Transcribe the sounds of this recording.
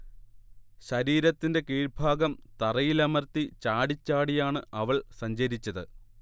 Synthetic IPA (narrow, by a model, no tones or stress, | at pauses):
ɕɐɾiːɾɐt̪ːinde̞kiːɻbʱaːɡɐmt̪ɐrɐjilɐmɐrt̪it͡ɕaːɽit͡ɕːaːɽijaːɳɨɐʋɐɭsɐɲd͡ʑɐɾit͡ɕːɐðɨ